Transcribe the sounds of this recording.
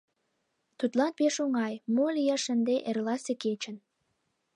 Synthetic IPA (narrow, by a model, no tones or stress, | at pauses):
t̪ut̪lɑnpeʃuŋɑjmolijɑʃənd̪eʔerlɑseket͡ɕə̆n